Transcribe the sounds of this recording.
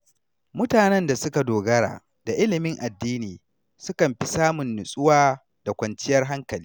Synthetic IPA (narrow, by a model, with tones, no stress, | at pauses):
mʊ˦taː˨nɛ˦nda˨sʊ˦ka˨doː˨ɡɐ˦ɽa̰ː˨ | d̥a˨ʔɪ˦lɪ˨mɪ˦ŋʔa˨dːiː˦niː˨ | sʊ˦kɐ˨mɸi˦saː˦mʊ˨nːʊ˨sʼʊ˦waː˦ | d̥a˨kʷɐ˨nt͡ʃɪ˦jɐ˦rɦa˦ŋkɐ˨liː˦